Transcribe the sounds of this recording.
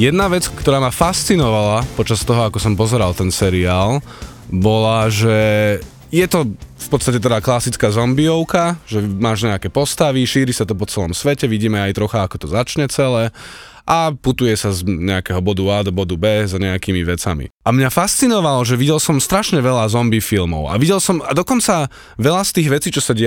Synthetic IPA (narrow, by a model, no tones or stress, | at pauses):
jɛd̪naʋɛt͡skt̪ɔɾaːmafast͡sinɔʋalapɔt͡ʃast̪ɔɦɔakɔsɔmpɔzɛɾalt̪ɛnsɛɾiaːl | bɔlaʒɛ | jɛt̪ɔfpɔt̪t͡st̪acɛt̪̬ɛd̪aːklasit͡skaːzɔmbiɔʊkaʒɛmaːʒɲɛakɛːpɔst̪aʋiʃiːɾisat̪ɔpɔt͡sɛlɔmsʋɛcɛʋiɟiːmɛajt̪ɾɔxaakɔt̪ɔzat͡ʃɲɛt͡sɛlɛː | ʔaput̪ujɛsazɲɛakɛɦɔbɔd̪uaːd̪ɔbɔd̪ubɛːzɲɛakiːmiʋɛt͡samḭʔamɲafast͡sinɔʋalɔʒɛʋiɟɛlsɔmst̪ɾaʃɲɛʋɛʎazɔmbifilmɔ̰ʊa̰ʋiɟɛlsɔmad̪ɔkɔnt͡sa | ʋɛʎast̪iːɣʋɛt͡siːt͡ʃɔsaɟɛ